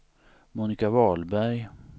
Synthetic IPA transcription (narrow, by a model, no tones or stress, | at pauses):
muːnɪkavɑːlbæɾj